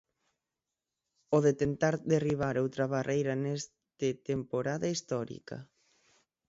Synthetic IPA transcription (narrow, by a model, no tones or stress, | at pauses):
oðet̪ent̪aɾðeriβ̞aɾowt̪ɾaβarʔejɾanes | t̪ɪt̪empoɾaðaist̪ɔɾḭka̰